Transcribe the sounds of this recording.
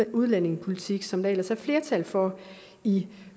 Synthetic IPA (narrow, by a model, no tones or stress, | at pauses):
uð̞ˠlæne̝ŋpʰo̝lit͡sʰiɡ̥sɒ̽md̥ɑelɐshæɐfle̝ɐt͡sʰælfɒ | i